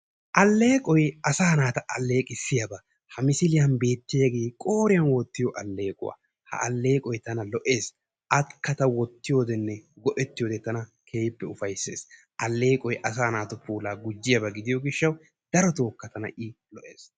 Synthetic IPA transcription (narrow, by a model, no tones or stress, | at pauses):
ʔɐlːe̞ːkʼɔjɐsaːnaːt̪ɐʔɐlːe̞ːkʼɪsːɪjɐbɐ | hɐmɪsɪlɪjɐnbe̞ːt̪ːɪjɐɡeːkʼo̞ːɾɪjɐnwɔt̪ːɪjɔʔɐlːeːkʼʊ̰wa̰ | hɐ̰ʔɐ̰lːe̞ːkʼɔjt̪ɐnɐlɔʔe̞ːs | ʔɐt̪kːɐt̪ɐwɔt̪ːɪjoːd̪ɛnːɛɡɔʔɛt̪ːɪjoːd̪ɛt̪ɐnɐkʰeːjpːɛʊfɐjsːe̞̰ːs | ʔɐlːe̞ːkʼɔjʔɐsaːnaːt̪ʊpʰuːlaːɡʊd͡ʒːɪjɐbɐɡɪd̪ɪjɔɡɪʃːɐw | d̪̥ɐɾɔt̪o̞ːkːɐt̪ɐnɐ̰ʔɪlɔʔe̞ːs